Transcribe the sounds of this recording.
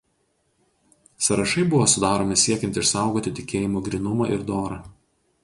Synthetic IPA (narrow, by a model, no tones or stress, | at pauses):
sɐɾɐʃɐɪbʊʋoːsʊd̪ɑːɾoːmʲɪsʲiɛkʲɛnʲt̪ʲɪʃsɑˑʊɡoːt̪ʲɪt̪ʲɪkʲeːjɪmoːɡɾʲɪnʊmɐʔɪɾd̪oːɾɐː